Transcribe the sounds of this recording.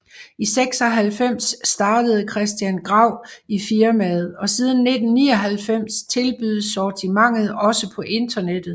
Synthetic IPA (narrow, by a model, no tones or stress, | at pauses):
iseɡ̥sɒ̽ɦælfem̰sːd̥ɑ̈ːd̥əð̞̩ˠkʰʁɛsd̥jænɡ̥ʁɑ̈ʊ̰ifiɐmɛð̩ˠɒ̽siːð̞ˠn̩ːe̝d̥n̩ːḭːɒ̽ɦælfem̰st͡sʰe̝lb̥yðˠsɒːt͡sʰimɑ̈ŋ̰ð̞̩ˠɒ̽səpʰɒ̽ʔe̝nd̥ɐned̥ð̩ˠ